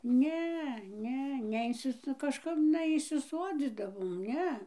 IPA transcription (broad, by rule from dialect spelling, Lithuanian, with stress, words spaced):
ˈnʲɛ ˈnʲɛ nʲɛˈɪnʲsʲɪs nʊ kɐʃˈkɐp nʲɛiːsʲɪˈsuɔd͡zʲiːdɐʋoːm ˈnʲɛ